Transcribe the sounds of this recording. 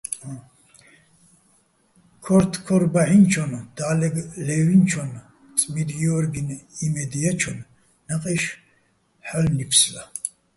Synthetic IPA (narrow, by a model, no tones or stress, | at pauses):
kʰɔɾt̪ʰkʰɔɾbaʕint͡ʃʰɔnd̪̥aːlɛɡlɛvint͡ʃʰɔn | t͡sʼmiɾjɔɾɡinimɛd̪ijat͡ʃʰɔn | naqʼɛʃ | ħalnipʰsla